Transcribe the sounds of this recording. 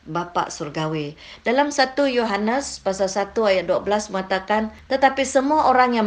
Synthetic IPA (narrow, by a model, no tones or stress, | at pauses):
bapa̰ʔsurɡawi | dalamsat̪ujoɦanəspasalsat̪uajaʔ̚duabəlasməŋat̪akant̪ət̪apisəmuaʔoɾaŋja